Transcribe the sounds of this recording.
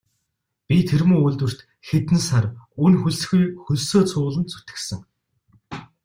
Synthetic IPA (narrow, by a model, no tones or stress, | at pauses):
pʲit̪ʰeɾmuːuɮt̪wɘ̆r̥t̪ | xet̪ɘnsarunxuɮsɘ̆xujxɵɮsoːt͡sʰʊːɮə̆nt͡sʰu̥t̪ɘ̥̆ksɘ̆ŋ